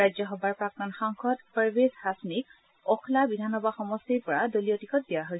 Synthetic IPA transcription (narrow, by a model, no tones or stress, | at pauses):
ɹajd͡ʒjɔxɔbaɹpɹak̚tɔnxaŋxʰɔtpaɹbeshasmik̚ | ɔkʰlabidʱanɔbaxɔmɔstiɹpɔɹadoliotikʰɔt̚dijaɦojsɛ